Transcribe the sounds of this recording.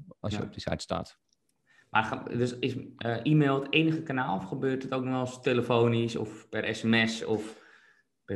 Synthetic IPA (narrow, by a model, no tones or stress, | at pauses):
ɑ̰səɔ̰p̚dəsa̰jtsta̰ːt | mʔardøsɪsəʔiːmeːlˠteːnəɣəkanaːlˠɔfχəbøːrtətowk̚nɔɔlsteləfoːnisɔ̰fpɛɾʔɛsɛmɛsɔf | pɛ